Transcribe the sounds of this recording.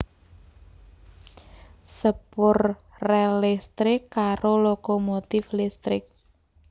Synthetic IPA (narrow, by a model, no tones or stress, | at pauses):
səpʊrː | ɛlɛst̪ɾɪkːaɾolokomot̪ɪflist̪ɾɪ̰k̚